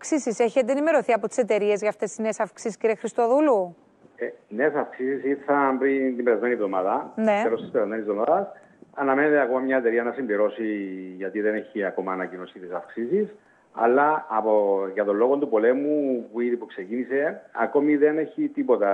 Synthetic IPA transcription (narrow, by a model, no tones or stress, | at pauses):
ksisiseçiet̪enime̞ɾo̞θiɐpot̪i̥se̞t̪e̞ɾie̞zʝɐft̪e̞sːinesɐfksisi̥skciɾiexɾist̪o̞ðulu | ene̞sɐfksisisiɾθɐpɾint̪imbeɾɐzme̞nievðo̞maðɐneeɾost̪ispeɾɐzmeniszvðo̞maðɐs | ɐnɐme̞net̪eɐko̞mɐmɲɐet̪e̞ɾiɐnɐsimbiɾo̞siʝɐt̪iðe̞ne̞çiɐko̞mɐːnɐcino̞sit̪esɐfksisis | ɐ̰lːɐːpoʝɐt̪o̞nloɣo̞nt̪upo̞le̞mupuiðipukse̞cinise̞ɐko̞miðe̞ne̞çit̪ipo̞t̪ɐ